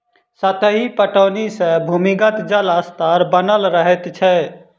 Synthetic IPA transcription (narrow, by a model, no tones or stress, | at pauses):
sət̪əɦipəʈəːnisẽbʱumiɡət̪d͡ʒələst̪aɾbənəlɾəɦɛt̪t͡ʃʰɛ